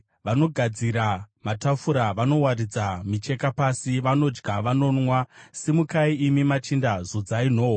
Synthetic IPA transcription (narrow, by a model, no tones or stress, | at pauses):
ʋano̞ɡʱad͡ziɾamatafuɾaʋano̞waɾid͡zamit͡ʃe̞kapasiʋano̞d͡ʒɡaʋano̞nwasimukaiimimat͡ʃindazod͡zain̤o̞ːwo